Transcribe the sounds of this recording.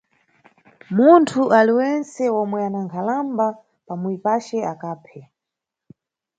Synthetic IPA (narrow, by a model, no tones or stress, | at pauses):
muntʰuʔaliwɛnsɛɔmwɛanaŋkʰalamba | pamuipat͡ʃɛakaːpʰɛ